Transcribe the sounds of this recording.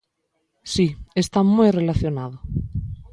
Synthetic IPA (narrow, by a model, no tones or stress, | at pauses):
siest̪amujrelaθjonaðo